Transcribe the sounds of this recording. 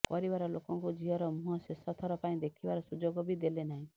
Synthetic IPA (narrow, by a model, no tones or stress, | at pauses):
pɔɾibaɾɔlokɔŋkud͡ʒiɦɔɾɔmuɦɔsesɔt̪ʰɔɾɔpaĩd̪ekʰibaɾɔsud͡ʒoɡɔbid̪elenaɦĩ